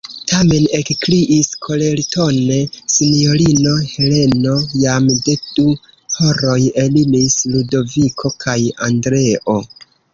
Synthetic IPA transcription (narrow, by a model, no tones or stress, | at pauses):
tʰame̞ne̞kkliʔiskʰo̞le̞lto̞ne̞sinio̞lino̞he̞le̞no̞jamde̞d̥u | hoɾo̞je̞limisludo̞vikʰo̞kʰaja̰ndɾe̞ʔo̞